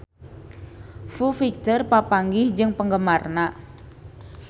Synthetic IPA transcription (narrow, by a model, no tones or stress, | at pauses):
fufik̚t̪ɔrpapaŋɡihd͡ʒɨŋpəŋɡəmarna